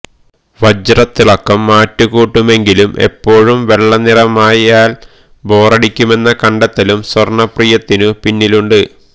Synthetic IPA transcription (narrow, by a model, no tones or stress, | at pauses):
ʋɐd͡ʑrɐt̪ːilɐkːɐmːaːtːukuːʈːume̞ŋɡilumʔe̞̰pːo̞ːɻumʋe̞ɭːɐnirɐmaːjaːl | bo̞ːrɐɽikʲːume̞nːɐkɐɳɖɐt̪ːɐlumsɐrɳɐprijɐt̪ːinɨpinːiluɳɖɨ